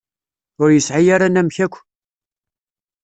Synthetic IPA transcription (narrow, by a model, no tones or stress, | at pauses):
ʊɾjəsʕajaɾanæmçækʷː